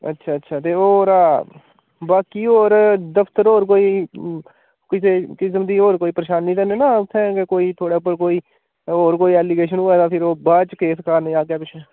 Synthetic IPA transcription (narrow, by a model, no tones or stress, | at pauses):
ə̰tːʃʰaːətːʃʰaːt̪eːoːɾaː | baːkiːoːɾd̪əpʰt̪əɾoːɾk̬oːiː | kɪseːt͡ʃɪs̬md̪iːoːɾkoːiːpəɾəʃaːnːĩːt̪əneːnaːʊt̪ʰːɛ̃ːkekoːiːt̪ʰoːɽaːʊp̬ːəɾk̬oːiː | oːɾk̬oːiːɛːliːɡeːʃ̬ənuːɛːd̪ãːpʰɪɾoːbaːt͡ʃkeːskaːɾnĩːaːɡjaːpɪt͡ʃʰɛː